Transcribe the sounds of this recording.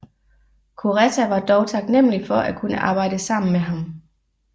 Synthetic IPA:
kʰuʁɛsʰæʋɑ̈d̥ɒʊt͡sʰɑ̈ɡ̥nem̰əlifɒ̽ʔækʰunəʔɑ̈ːb̥ɑ̈ɪ̰d̥əsɑ̈m̰n̩meɦɑ̈m

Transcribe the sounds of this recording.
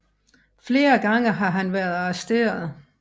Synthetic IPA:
fle̝ːɐɡ̥ɑ̈ŋ̰əɦɑ̈ɦænʋæɐðˠɑ̈sd̥e̝̰ːɐð̩ˠ

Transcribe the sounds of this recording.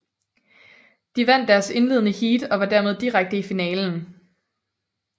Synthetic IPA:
d̥iʋæn̰d̥ːæɐse̝nle̝ð̞̰ˠnəhiːd̥ɒ̽ʋɑ̈d̥æɐme̝ð̞ˠd̥iʁaɡ̥̚d̥əifinɛːln̩

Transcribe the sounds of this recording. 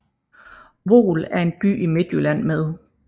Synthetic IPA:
ʋo̝̰ːlæɐe̝nb̥y̰ːime̝d̥jølæn̰meðˠ

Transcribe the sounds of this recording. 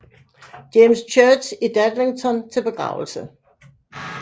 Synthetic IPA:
d̥emst͡ɕʰœ̥ːsid̥æd̥leŋt͡sʰɒnt͡sʰe̝lb̥e̝ɡ̥ʁɑ̰̈ʊl̩sə

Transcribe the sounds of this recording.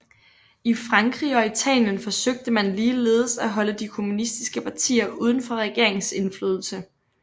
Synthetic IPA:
ifʁɑ̈ŋɡ̥ʁḭːɒ̽it͡sʰɛ̰ljənfɒ̽søɡ̥̚d̥əmænliːle̝ːðˠsæɦɒ̽ləd̥ikʰo̝munisd̥isɡ̥əpʰɑ̈t͡sʰḭːɐʔuːð̞ˠn̩fɒ̽ʁɛɡ̥e̝ɐe̝ŋse̝nfløːð̞ˠl̩sə

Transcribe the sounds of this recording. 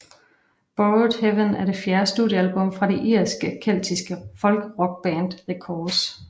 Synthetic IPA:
b̥od̥heʋənæɐɾe̝fjæːɐsd̥uðˠjəælb̥ɔ̽mfʁɑ̈ɾe̝ʔiɐ̰sɡ̥əkʰel̰d̥ʰisɡ̥əfɒ̽lɡ̥əʁɒ̽ɡ̥̚b̥ɛːnd̥ʁekʰɒ̥ːs

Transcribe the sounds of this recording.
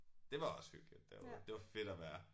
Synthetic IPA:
d̥e̝ʋɑ̈ɒ̽shy̰ɡ̥lid̥ːḛʋɑd̥e̝ʋɑ̈fe̝ɾ̥ɒʋæːɐ

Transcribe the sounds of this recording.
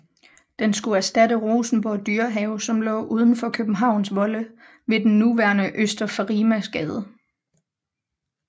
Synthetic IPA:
d̥ensɡ̥uæɐsd̥æɾəʁoːsn̩b̥ɒd̥yːɐɦɛʊsɒ̽mlɔ̰̽ːʔuːð̞ˠən̩fɒ̽kʰøb̥n̩ɦɑ̈ʊ̰nsʋɒ̽lə | ʋe̝d̥enːuʋæɐnəʔøsd̥ɐfɑʁiːmæsɡ̥ɛːð̞ˠə

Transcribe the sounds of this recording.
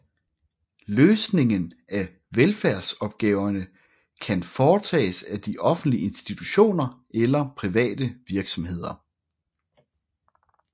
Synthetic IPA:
løːsne̝ŋən | æ | ʋelfæɐsɒ̽b̥ɡ̥ɛːʊɐnə | kʰænfɒːt͡sʰɛ̰ːsæd̥iʔɒ̽fn̩d̥liəe̝nsd̥it͡sʰuɕo̝̰ːnɐ | elɐpʰʁiʋɛ̰ːd̥əʋiɐɡ̥sɒ̽mhe̝ð̞̰ˠɐ

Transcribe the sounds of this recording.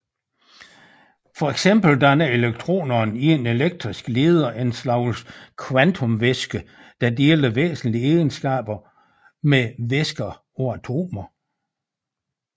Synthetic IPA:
fɒ̽eɡ̥sem̰b̥l̩d̥ænæe̝leɡ̥̚t͡sʰʁo̝̰ːnɐːniene̝leɡ̥̚d̥ʁisɡ̥le̝ːð̞ˠɐʔe̝nslɑ̈ʊskʰwænt͡sʰomʋesɡ̥ə | d̥ɑ̈d̥e̝ːld̥əʋḛːsn̩lie̥ːənsɡ̥ɛ̰ːb̥ɐ | meʋesɡ̥ɐ | ɒ̽æt͡sʰo̝̰ːmɐ

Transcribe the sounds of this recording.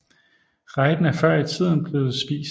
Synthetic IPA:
ʁɑɪd̥n̩æɐfɶɐ̰it͡sʰið̰ˠn̩b̥le̝ːð̩ˠsb̥ḭːs

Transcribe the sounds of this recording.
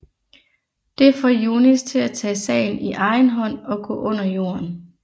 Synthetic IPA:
d̥e̝fɒjonist͡sʰe̝læt͡sʰɛ̰ːsɛ̰ɪn̩iʔɑ̈ɪnɦɒ̽n̰ɒ̽ɡ̥ɔ̰̽ːʔɔ̽n̰ɐjo̝̰ːɐn

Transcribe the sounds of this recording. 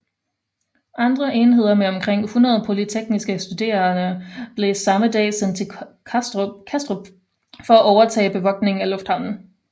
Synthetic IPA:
ʔɑ̈nd̥ʁɐʔe̝ːnɦe̝ð̞̰ˠɐmeɒ̽mkʰʁeŋ̰hunʁɐð̞ˠəpʰo̝lit͡sʰeɡ̥nisɡ̥əsd̥ud̥e̝̰ːɐnəb̥le̝sɑ̈məd̥ɛ̰ːsent͡sʰe̥ | kʰæsd̥ʁob̥ | fɒ̽æʔɒʊɐt͡sʰɛ̰ːb̥e̝ʋɒ̽ɡ̥ne̝ŋ̩ælɔ̽fd̥hɑ̈ʊ̰n̩

